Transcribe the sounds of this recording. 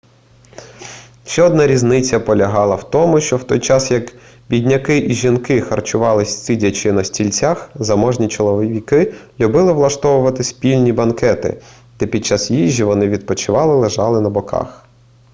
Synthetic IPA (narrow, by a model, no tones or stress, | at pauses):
ʃt͡ʃɛɔd̪nɑɾʲiznɪt͡sʲːɐpɔlʲɐɦɑlˠɐwt̪ɔmʊʃt͡ʃɔwt̪ɔjt͡ʃɑsjɐk | bʲidʲnʲɐkɪʔiʒʲinkɪxɐrt͡ʃʊʋɑlˠɪsʲsʲidʲɐt͡ʃɪnɐsʲtʲilʲt͡sʲaxzɐmɔʒnʲit͡ʃɔlˠɔʋʋʲikɪlʲubɪlˠɪʋlˠɐʃt̪ɔʋʊʋɐt̪ɪspʲilʲnʲibɐnkɛt̪ɪ̰ | d̪̥ɛpʲid̪̚t͡ʃɑsjiʒʲːiʋɔnɪʋʲid̪̚pɔt͡ʃɪʋɑlˠɪlˠeʒɑlˠɪnɐbɔkɑ̰x